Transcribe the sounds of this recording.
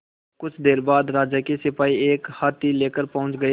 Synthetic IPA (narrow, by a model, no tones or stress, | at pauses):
kʊt͡ʃʰd̪eːɾbaːd̪ɾaːd͡ʒakisɪpaːieːkhaːt̪ileːkəɾpɐɦʊ̃t͡ʃɡɐe